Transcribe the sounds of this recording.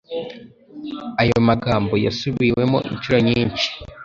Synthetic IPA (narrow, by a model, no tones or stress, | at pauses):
ajo̞maɡaːmbo̞ja̰suβiwe̞mo̞̰ʔḭnt͡ʃuɾo̞ɲiːnt͡ʃi̥